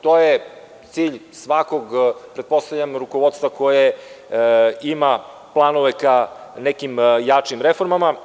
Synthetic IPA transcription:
t̪oje | t̪siːʎsʋakoɡpɾed̪̚po̞st̪avʎʲamɾukoʋo̞d̪st̪vakoje | ima | plˠanoʋekanekimjat͡ʂimɾefo̞ɾmama

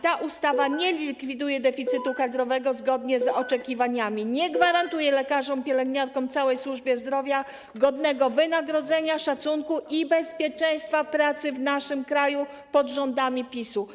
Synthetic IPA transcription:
t̪aʔust̪avaɲɛlʲikfʲid̪ujɛd̪ɛfʲit̪sɘt̪ukad̪ɾɔvɛɡɔzɡɔd̪ɲɛzɔt͡ʂɛkʲivaɲamʲiɲɛɡvaɾant̪ujɛlɛkaʐɔmpʲjɛlɛɡɲaɾkɔ̃mt̪sawɛjswuʐbʲjɛzd̪ɾɔvʲja | ɡɔd̪nɛɡɔvɘnaɡɾɔd̪zɛɲaʂat̪suŋkuʔibɛspʲjɛt͡ʂɛj̃st̪fapɾat̪sɘvnaʂɘmkɾaju | pɔd̪ʐɔnd̪amʲipʲisu

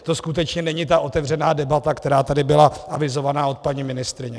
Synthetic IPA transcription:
t̪o̞skut̪ɛt͡ʃɲɛnɛɲɪt̪aʔo̞t̪ɛvr̝ɛnaːdɛbat̪akt̪ɛɾaːt̪adɪbɪlaʔavɪzo̞vanaːo̞t̪̚paɲimɪnɪst̪ɾɪɲɛ

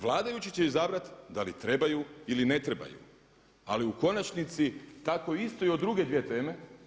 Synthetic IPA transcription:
ʋlˠaːd̪ajut͡ɕit͡ɕeizabɾat̪d̪alit̪ɾe̞bajuiline̞t̪ɾe̞ba̰jṵ | a̰liuko̞nat͡ʃnit̪sit̪akoist̪oio̞d̪ːɾuɡe̞d̪ʋjet̪e̞ːme̞

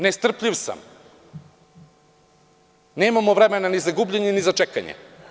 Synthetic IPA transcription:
nest̪r̩pʎiʋsa̰m | nemamoʋɾemenanizaɡubʎeɲenizat͡ʃekaɲḛ

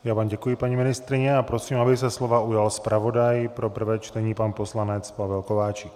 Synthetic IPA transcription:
jaːvaːmɟɛkujɪpaɲimɪnɪst̪ɾɪɲɛapɾosiːmabɪs̬ɛslo̞vaujalspɾʔavo̞dajpɾo̞pr̩vɛːt͡ʃt̪ɛɲiːpanpo̞slanɛt͡spavɛlkovaːt͡ʃɪ

